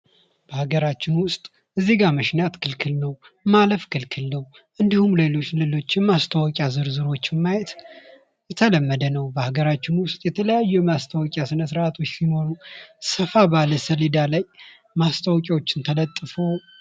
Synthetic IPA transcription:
b̥əhaɡəɾat͡ʃːɪnwʊst̪ʼ | ɨzːiɡamɨʃnat̪kʰɨlkʰɨlnəw | maləfkʰɨlkʰɨlnəw | ʔɨnd̪ihumlelo̞t͡ʃːlelo̞t͡ʃːmast̪ʰawɔkʼjazɨɾzɨɾo̞t͡ʃːmːajɛt̪ | jɛt̪ʰələmːəd̪ənəwbəhaɡəɾat͡ʃːɪnwʊst̪ʼjɛt̪ʰələjajːujɛmast̪ʰawɔkʼjasɨnəsɨɾʔat̪ʰo̞t͡ʃːsino̞ɾusəfabaləsəlid̪alaj | mast̪ʰawɔkʼawot͡ʃːɪnt̪ʰələt̪ʼːɨfo̞

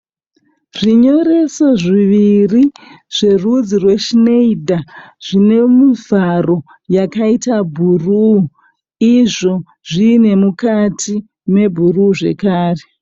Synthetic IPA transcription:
ʐiɲo̞ɾe̞soʐiʋiriʐ̥e̞rud͡zirwe̞ʃineidʱaʐ̥ine̞mivaro̞ | jakaitabʱuru | iʐo̞ | ʐine̞mukatʰi | me̞bʱuruːʐe̞̰kaːre

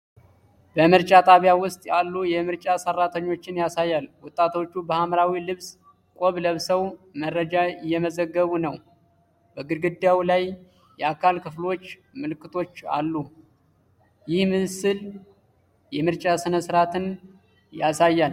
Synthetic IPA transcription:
bəmɨɾt͡ʃʼat̪ʼaβijawʊst̪ʼjalːujɛmɨɾt͡ʃʼasərːat̪ʰəɲːo̞t͡ʃːɪnjasajːalwɔt̪ʼːat̪ʰo̞t͡ʃːubəhamɾawilɨβs | kʷʼoβləβsəwmərəd͡ʒajːɛməzəɡːəβunəw | bəɡɨɾɡɨd̪awlaj | jɛakʰalkʰɨflo̞t͡ʃː | mɨlɨkːɨt̪ʰo̞t͡ʃːa̰lːu | jɪhmɨsɨl | jɛmɨɾt͡ʃʼasɨnəsɨɾat̪ʰɨn | jasajːal

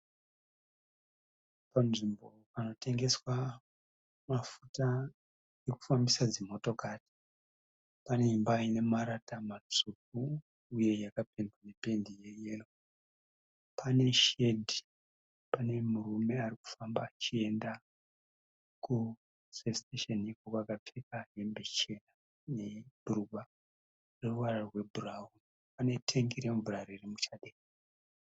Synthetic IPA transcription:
panʐimbo̞pano̞te̞ŋɡe̞swa | mafuta | eku̥fambisad͡zimo̞to̞kaːti̥ | pane̞imbaine̞maɾatamat͡ʂuk̚uː | je̞jakapendane̞pe̞ndijeje̞ro | pʰane̞ʃe̞dʱi | pane̞murume̞ariku̥fambaːt͡ʃie̞nda | ku | sesteʃenikokakatʰekaɦembet͡ʃe̞na | neb̥uruba | reruwararrwe̞bʱuraun | pane̞tʰeŋɡiɾemvuraririmut͡ʃaɗe

